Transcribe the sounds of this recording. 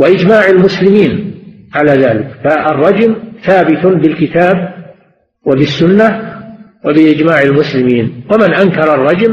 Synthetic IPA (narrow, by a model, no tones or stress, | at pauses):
waʔɪd͡ʒmaːʕalmʊslɪmiːnʕalaːðaːlɪkfaːrˤːɑd͡ʒmθaːbɪt̪bɪlkɪt̪aːb̚ | wabɪsːʊnːa | wabɪʔɪd͡ʒmaːʕalmʊslɪmiːnwamɪnʔaŋkɑɾˤɑrˤːɑd͡ʒm